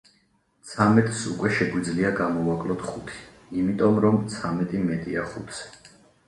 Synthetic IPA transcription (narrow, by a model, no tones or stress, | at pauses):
t̪sʰamɛt̪ʼsṵkʼwɛʃɛɡwid̪zliaɡamɔvakʼlɔt̪ʰχut̪ʰi̥ | imit̪ʼɔmɾɔmt̪sʰamɛt̪ʼimɛt̪ʼiaχut̪ʰsɛ̥